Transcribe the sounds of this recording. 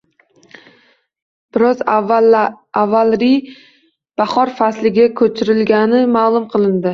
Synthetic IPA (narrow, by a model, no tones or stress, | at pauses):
b̥ɪɾɒz | avalɾi | b̥aχɒɾfaslɪɡʲakʰɵt͡ʃʰɪɾɪlɡʲanɪmaːlˠʊmqʰɨlˠɪnd̪ɪ